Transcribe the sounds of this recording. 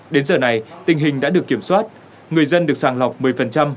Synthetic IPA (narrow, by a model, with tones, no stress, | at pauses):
ɗe˨˦nzəː˨˩na˨˩jt̪ï˨˩ŋ̟ɦï˨˩ŋ̟ɗa̰ː˧˥ɗɨ˨˩əkːi˧˩əmswaː˦˥t̚ | ŋɨ˨˩əjzə˧nɗɨ˨˩ək̚saː˧˩ŋla˨˩wk͡p̚mɨ˨əjfə˨˩nt͡ɕa˧m